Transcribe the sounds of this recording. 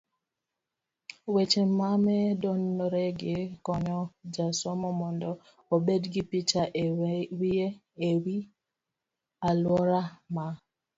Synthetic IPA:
wet͡ʃemamɛdɔnɾɛɡɪkɔɲɔd͡ʒasɔmɔmɔndɔ | obedɡɪpit͡ʃawie | ewi | alwɔɾama

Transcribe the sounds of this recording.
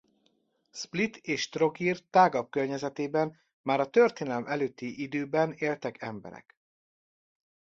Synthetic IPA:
split̪eːʃt̪ro̞ɡirt̪aːɡɒp̚kørɲɛzɛt̪eːbɛn | maːɾɒt̪ørt̪eːnɛlmʔɛløːt̪ːiʔid̪øːbɛneːlt̪ɛkɛmbɛ̰ɾɛ̰k

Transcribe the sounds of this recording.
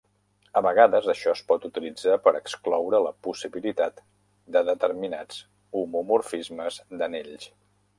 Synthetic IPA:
əβəɣ̞aðəzəʃɔəspɔt̪ut̪ilid͡zapəɾəksklɔwɾələpusiβilit̪at̪ | d̪əðət̪əɾminad͡z | umumuɾfizməzd̪əneʎʃ

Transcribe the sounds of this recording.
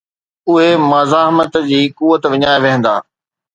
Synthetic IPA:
ʊɦemɐzaːɦmət̪d͡ʑiːkuːʋət̪ʋɪɲaːeʋeɦə̃nd̪a̰ː

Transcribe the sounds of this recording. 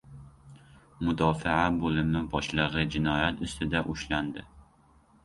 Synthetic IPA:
mʊd̪ɒfɪabolɪmɪbɒʃlˠɨʁɨd͡ʒɪnɒjat̪ʊst̪ʰɪd̪aʔʊʃland̪ɪ

